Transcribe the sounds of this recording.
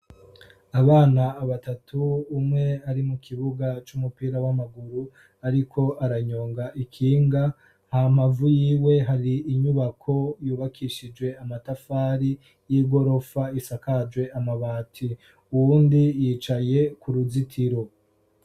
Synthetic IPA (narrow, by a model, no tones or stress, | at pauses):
aβaːnaːβatatʰuːmŋe̞aɾimukʰiβuɡat͡ʃumupiːɾawamaɡuɾu | aɾikʰo̞ʔaɾaɲo̞ːŋɡaʔikʰiːŋɡa | ham̥avujiːwe̞ɦaɾiːɲuβakʰo̞juːβakʰiʃid͡ʒwe̞amatafaːɾi | jiɡo̞ɾo̞faisakad͡ʒwe̞ʔamaβaːtʰi | uwuːndijiːt͡ʃaje̞kuɾuzitʰiɾo̞